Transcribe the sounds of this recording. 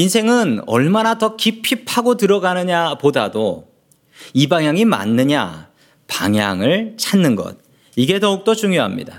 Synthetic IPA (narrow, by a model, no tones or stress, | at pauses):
insʰe̞ŋɯnʌ̰ɭmanatʌkipʰipʰaɡotɯɾʌɡanɯɲapodado | ibaŋjaŋima̰nːɯɲa̰ | pa̰ŋɦja̰ŋɯɭt͡ɕʰanːɯnɡʌ̰t̚ | iɡe̞tʌuk̚t͈ot͡ɕuŋjoɦa̰mɲḭda